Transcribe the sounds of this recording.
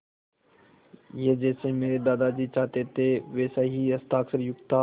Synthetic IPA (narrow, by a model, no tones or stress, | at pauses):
jed͡ʒɛːsemeːɾed̪aːd̪ad͡ʒiːt͡ʃaːt̪et̪ʰeʋɛːsaɦiɐst̪aːksəɾjʊɡt̪ʰa